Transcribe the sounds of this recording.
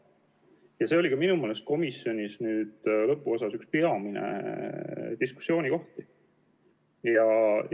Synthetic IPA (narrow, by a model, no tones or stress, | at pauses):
jɑse̞o̞likɑminumeːlest̪̚ko̞misjo̞nʲisnyːd̪̥lɤpːˑuo̞sɑsykspeɑminḛ | d̪isku̥sːjo̞ːnʲiko̞ht̪i | jɑ